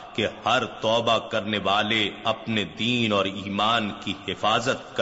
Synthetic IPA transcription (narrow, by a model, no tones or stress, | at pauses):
kehɐɾt̪ɔːbakɐɾneʋaːleɐpned̪iːnɔːɾiːmaːnkihɪfaːzət̪̚k